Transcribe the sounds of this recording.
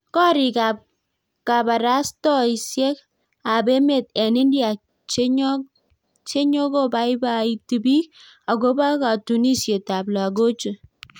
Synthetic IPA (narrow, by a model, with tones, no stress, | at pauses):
kɔ˦ɾɪ˨ka˨p̚ | ka˨ba˨ɾa˦stɔ˦i˨sje˦k | a˨be˦me˨tɛ˨nɪ˦ndja˨ | t͡ʃɲ | t͡ʃe˦ɲo˦ko˦ba˦ɪ˦ba˦i˦ti˨bi˦k̚ | a˨ɡo˦ba˦ka˨tu˨ni˦sje˨ta˨bla˨ɡo˦t͡ʃu˨